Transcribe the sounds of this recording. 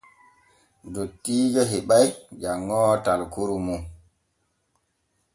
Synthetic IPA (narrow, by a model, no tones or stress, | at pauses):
dotːiːd͡ʒaɦiɓajd͡ʒaŋːɔːtalkuɾumu